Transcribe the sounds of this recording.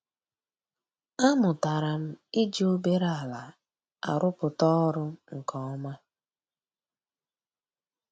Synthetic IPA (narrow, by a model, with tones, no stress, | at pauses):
a˦mʊ˨ta˨ɾa˨m̩˦ɪ˦d͡ʒi˦o˦be˦ɾa˦˨la˨ | a̰˨ɾʊ˦pʊ˨tɔ˦ɾʊ˦ŋ̩˨kʰɔ˦ɔ˦ma˦